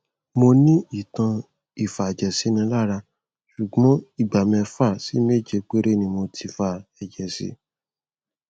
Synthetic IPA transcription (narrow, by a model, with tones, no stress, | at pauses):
mo˧nĩ˦i˦˨tã˧ | i˦˨fa˨ɛ˨d͡ʒɛ˨si˨˦nĩ˧la˦˨ɾa˧ | ʃu˨ɡ͡bɔ̃˨˦i˦˨ɡ͡ba˨mɛ̃˧fa˦˨si˨˦me˦˨d͡ʒe˧k͡pe˦ɾe˦˨nĩ˧mo˧tʰi˧fa˦˨ɛ˨d͡ʒɛ˨sḭ˧